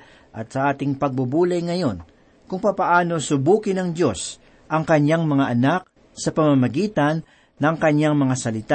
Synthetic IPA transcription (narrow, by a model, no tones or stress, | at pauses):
ʔɐt̪̚sɐʔaːt̪ɪŋpɐɡ̚bʊbuːlɐjŋɐjo̞n | kʊŋpapɐʔaːno̞sʊbuːkɪnɐŋd̪jo̞s | ʔɐŋkɐɲjaŋmɐŋaʔɐnak̚ | sɐpɐmamɐɡiːt̪ɐnː | ɐŋkɐɲjaŋmɐŋasɐlɪt̪a